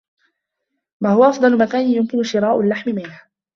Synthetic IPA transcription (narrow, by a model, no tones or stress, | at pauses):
wahʊwaʔɑfd̪ˤɑlʊmakaːnjʊmkɪnʊʃɪɾˤaːʔʊlːaħmɪmɪnha